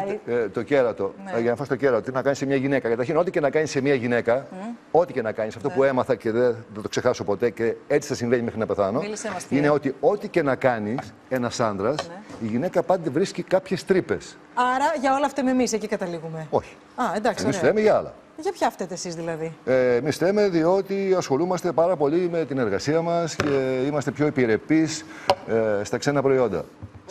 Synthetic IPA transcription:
t̪o̞ce̞ɾɐt̪o̞ʝɐnɐfɐst̪oceɾɐt̪ot̪inɐkɐnisemɲɐʝine̞kɐkɐt̪ɐɾçino̞t̪ice̞nɐkɐɲisemiɐʝine̞kɐo̞t̪ice̞nɐkɐɲisɐft̪o̞pue̞mɐθɐce̞ðeθɐt̪o̞kse̞xɐso̞po̞t̪e̞ceet͡si̥θɐsiɱveɲimexɾienɐpeθɐnomlseɐsineo̞t̪io̞t̪ice̞nɐkɐnis | e̞nɐsɐnd̪ɾɐsiʝine̞kɐpɐnd̪e̞vɾiscikɐpçe̞st̪ɾipe̞s | ɐɾɐʝɐo̞lɐft̪ememisecikɐt̪ɐliɣume̞o̞çi̥ | ɐend̪ɐksemissθemeʝɐɐlɐ̰ | ʝɐpçɐɐft̪et̪esizðilɐðiːmisfθe̞me̞ðio̞t̪iɐsxo̞lumɐst̪e̞pɐɾɐpo̞ʎime̞t̪ine̞ɾɣɐsiɐmɐsceimɐst̪e̞pço̞ipiɾe̞pis | st̪ɐkse̞nɐpɾo̞io̞nd̪ɐ̰

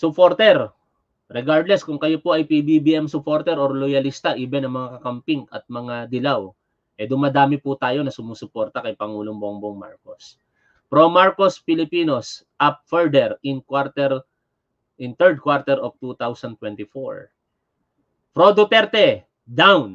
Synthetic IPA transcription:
sʊpoɾt̪ɛɾ | ɾɛɡaɹd̪lɛskʊŋkɐjopoʔɐjpibibiʔɛmsʊpo̞ɾt̪ɛɾoɾlojɐlist̪ɐʔiːbɛnɐŋmɐŋakɐkɐmpiŋɐ̰t̪̚mɐŋad̪ɪlaw | ʔɛd̪ʊmɐd̪aːmɪpʊt̪aːjo̞nɐsʊmusʊpo̞ɾt̪ɐkɐjpɐŋuːloŋboŋboŋma̰ɹko̞s | pɾomaɹkospɪlɪpiːno̞s | ʔɐp̚fɛɹd̪ɛɾɪŋkwaɾt̪ɛɾ | ʔɪnt̪ɛɹd̪̚kwaɾt̪ɛɾʔovt̪ut̪awsɐnt̪wɛnt̪ɪfo̰ɹ | pɾod̪ot̪ɛɾt̪ɛ | d̪awn

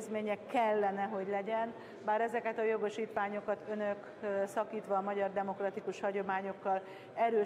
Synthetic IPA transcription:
zmeːɲɛkːɛlːɛnɛɦo̞ɟlɛɟɛn | baːɾɛzɛkɛt̪ɒjo̞ɡo̞ʃiːt̪ʋaːɲo̞kɒt̪ø̞nøk | sɒkiːt̪ʋɒːmɒɟɒrd̪ɛmo̞krɒt̪ikuʃhɒɟo̞maːɲo̞kːɒl | ɛɾøː

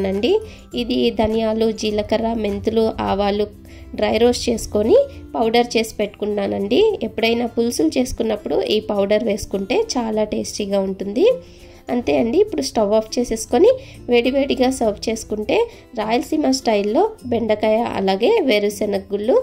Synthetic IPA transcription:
nɐɳɖi | id̪id̪ʱɐnjaːlud͡ʒiːlɐkɐɾame̞nt̪uluʔa̰ːʋaːlu | ɖɾɐjɾo̞ːst͡ʃe̞ːsu̥ko̞nipɐwɖɐɾt͡ʃe̞ːsi̥pe̞ʈːu̥kunːaːnɐɳɖiepːuɽɐjnaːpulsulut͡ʃe̞ːsu̥kunːɐpːuɽuʔiːpɐwɖɐɾʋe̞ːsu̥kuɳʈe̞ːt͡ʃaːlaːʈeːsʈiːɡaːuɳʈund̪i | ɐnt̪e̞ːɐɳɖiːpːuɽusʈɐʋaːpʰt͡ʃe̞ːseːsu̥ko̞ni | ʋe̞ːɽiʋeːɽiɡaːsɐpʰt͡ʃe̞ːsu̥kuɳʈe̞ː | ɾaːjɐlsimasʈɐjlːo̞ːbe̞ɳɖɐkɐjaʔɐ̰laːɡe̞ːʋeɾusenɐɡulːu

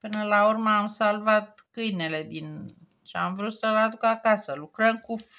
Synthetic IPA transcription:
pɨnəlaurməamsalvat̪̚ | kɨjne̞le̞d̪in | t͡ʃeamvɾut̪səlad̪ukakasəlukɾəmku

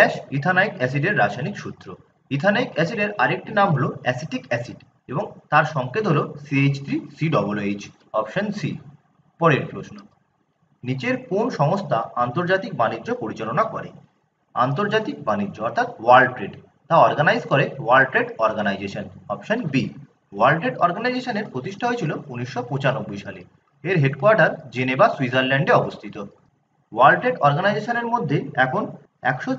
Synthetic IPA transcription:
ɛʃit̪ʰanajkɛs̬iɖeɾːaʃajnikʃut̪ːɾo | it̪ʰanajkɛsiɖeɾaɾek̚ʈinamɦoloɛsiʈikɛsiɖ | eboŋt̪aɾʃɔŋkʰed̪ʱɦolosiet͡ɕt̪ɾisiɖɔbolet͡ɕ | ɔpʃonsi | pɔɾeɾpɾosno | nit͡ɕeɾkonʃɔmost̪ʰaant̪oɾd͡ʑat̪ik̚baniːd͡ʑopoɾit͡ɕalonakɔɾḛ | a̰nt̪̬oɾd͡ʑat̪ik̚banid͡ʑːoɔɾt̪ʰat̪walɖʈɾeʈ | t̪aɔɾɡanajzkoɾewalʈɾeʈɔɾɡanajd͡ʑeʃonɔpʃonbi | walʈɾeʈɔɾɡanajd͡ʑeʃoneɾpɾot̪iʃʈʰaɦoet͡ɕʰilouniʃːopõt͡ɕanobːojʃale | eɾɦeɖkoaɾʈaɾd͡ʑenebasuid͡ʑaɾlɛɳɖeɔbost̪ʰit̪o | walʈɾeʈɔɾɡanajd͡ʑeʃoneɾmod̪ʱːeɛkʰon | ɛ̰kʃo

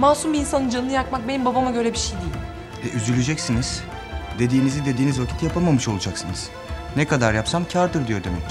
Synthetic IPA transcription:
maːsumbiːnsanɯnd͡ʒanːɯjakmak̚be̞nimbabamaɟø̞ɾɛbiʃejd̪ijilʲm | vɛʔyzylʲed͡ʒɛcsiniz̥ | d̪e̞d̪iːnizid̪e̞d̪iːnizvacʰi̥t̪japʰamamɯʃo̞lˠud͡ʒaksɯnɯz̥ | nekad̪aɾjapsamcʰaɾd̪ɯɾd̪ijo̞ɾd̪e̞mɛc

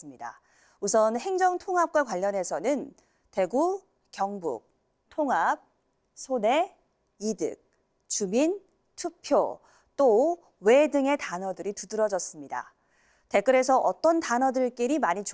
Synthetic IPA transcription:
ɯmɲida̰ | usʰʌnhe̞ŋd͡ʑʌŋtʰoŋɦap̚k͈wakwaʎːʌne̞sʰʌnɯn | te̞ɡu | kjʌŋbṵk̚ | tʰoŋap̚ | sʰone̞ | idɯ̰k̚ | t͡ɕumin | tʰupʰjo | t͈o | we̞dɯŋe̞tanʌdɯɾitudɯɾʌd͡ʑʌs͈ɯmɲida̰ | te̞k͈ɯɾe̞s̬ʰʌʔʌt͈ʌntanʌdɯɭk͈eɾimaɲit͡ɕ

